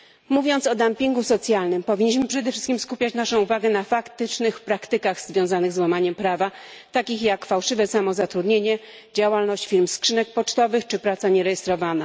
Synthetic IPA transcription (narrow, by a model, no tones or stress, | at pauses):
muvʲjɔnt̪sɔd̪ampʲiŋɡusɔt̪sʲjalnɘmpɔvʲiɲːiɕ̬mɘpʂɛd̪ɛfʂɘst̪kʲimskupʲjat͡ɕnaʂɔ̃w̃uvaɡɛnafakt̪ɘt͡ʂnɘxpɾakt̪ɘkaɣzvʲjɔ̃w̃zanɘɣzwamaɲɛmpɾavat̪akʲixjakfawʂɘvɛsamɔzat̪ɾud̪ɲeɲɛ | d͡ʑawalnɔɕt͡ɕfʲiɾmskʂɘnɛk̚pɔt͡ʂt̪ɔvɘxt͡ʂɘpɾat̪saɲɛɾɛjɛst̪ɾɔvana